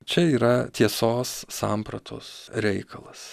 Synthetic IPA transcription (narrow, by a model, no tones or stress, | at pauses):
t͡ʃʲɛiːɾɐt̪ʲiɛsoːsːɑːmpɾɐt̪ʰo̰ːsɾʲɛɪkʰɐlˠɐs